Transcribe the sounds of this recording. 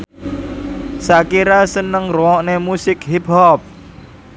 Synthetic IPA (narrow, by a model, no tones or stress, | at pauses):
sakiɾasənəŋrɔɔʔnemusɪkɦip̚ɦɔp̚